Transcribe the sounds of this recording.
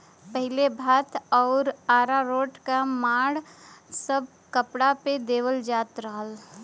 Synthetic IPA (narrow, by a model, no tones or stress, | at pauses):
pəɦɪlebʱaːt̪ʰɔːɾaːɾaɾoːʈkamaːɽsəb̚ʱ | kəpɽaped̪eːʋəld͡ʒaːt̪ɾəɦəl